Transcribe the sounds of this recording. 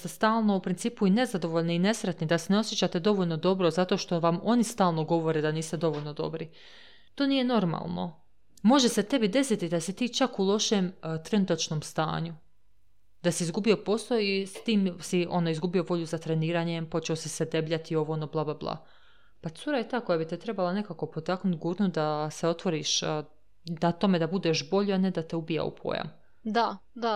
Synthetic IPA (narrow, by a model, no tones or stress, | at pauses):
t̪est̪aːlˠno̞upɾint̪siːpuine̞zad̪o̞ʋoʎneine̞sɾet̪nid̪aseneo̞sje̞t͡ɕaːt̪e̞d̪o̞ʋoʎno̞d̪o̞bɾozat̪o̞ːʃt̪o̞ʋamo̞nist̪aːlˠno̞ɡo̞ʋo̞ɾeːd̪aniːst̪e̞d̪o̞ʋo̞ʎno̞d̪o̞̰bɾi | t̪oːniːje̞no̞ɾma̰lˠno̞̰ | mo̞ʒe̞se̞t̪e̞bid̪e̞sit̪id̪asit̪iːt͡ʃakulˠo̞ʃeːmt̪ɾe̞nut̪at͡ʃno̞mst̪a̰ːɲu | d̪̥asiːzɡubio̞po̞slˠoist̪iːmsiʔo̞noizɡubio̞ʋo̞ʎuzat̪ɾe̞niːɾaɲempo̞t͡ʃeosesed̪e̞bʎat̪io̞ʋoono̞blˠablˠablˠa̰ | pat̪suɾajet̪aːko̞jabit̪et̪ɾe̞balˠane̞kako̞po̞t̪aknut̪ɡuːɾnud̪aseo̞t̪ʋo̞ɾiʃ | d̪at̪o̞me̞d̪abud̪eʃbo̞ʎuane̞d̪at̪eubija̰ṵpʰo̰ːja̰m | d̪ad̪a